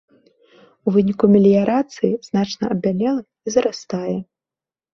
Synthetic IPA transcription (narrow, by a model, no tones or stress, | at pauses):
uvɨnʲikumʲelʲijaɾat̪sɨjiz̥nat͡ʂnɐɐbʲalʲɛlˠɐ | izɐɾast̪ajɛ